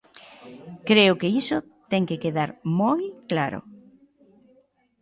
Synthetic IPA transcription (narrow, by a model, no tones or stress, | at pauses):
kɾeʊkeisʊt̪ɛŋkekeðaɾmojklaɾo̰